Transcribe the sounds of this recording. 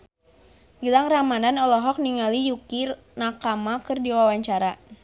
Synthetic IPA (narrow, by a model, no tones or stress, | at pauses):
ɡilaŋramananɔlɔɦɔk̚niŋalijukir | nakamakərdiwawaɲt͡ʃaɾa